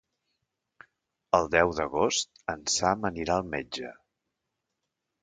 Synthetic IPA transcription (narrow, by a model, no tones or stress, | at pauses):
əlˠd̪ɛwðəɣost̪ənsaməniɾaəlˠmed͡ʒə̰